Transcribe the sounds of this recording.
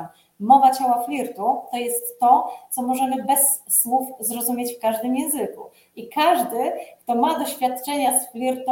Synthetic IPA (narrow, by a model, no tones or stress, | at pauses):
mɔvat͡ɕawaflʲiɾt̪ut̪ɔjɛst̪ːɔt̪sɔmɔʐɛmɘbɛsːwufzɾɔzumʲjet͡ɕfkaʐd̪ɘmjɛ̃ñzɘkṵ | ikaʐd̪ɘkt̪ɔmad̪ɔɕfʲjat̪t͡ʂɛɲasflʲiɾt̪